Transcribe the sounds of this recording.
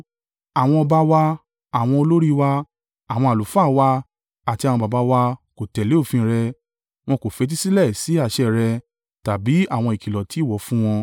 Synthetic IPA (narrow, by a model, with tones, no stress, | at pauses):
a˨w̃ɔ̃˧ɔ˧ba˧wa˧ | a˨w̃ɔ̃˧o˧lo˦ɾi˦˧wa˧ | a˨w̃ɔ̃˧a˨lu˨˦fa˦˨wa˧ | a˨ti˧a˨w̃ɔ̃˧ba˨ba˨˧˦wa˧ko˨tɛ˨le˨˦o˦˨fĩ˧ɾɛ˧ | w̃ɔ̃˧ko˨fe˨˧˦t̬i˦si˦lɛ˦˨si˨˦a˦˨ʃɛ˦˨ɾɛ˧ | ta˨bi˨˦a˦˨w̃ɔ̃˧i˨ki˨lɔ˨ti˨˦˨wɔ˨˦fũ˦w̃ɔ̃˧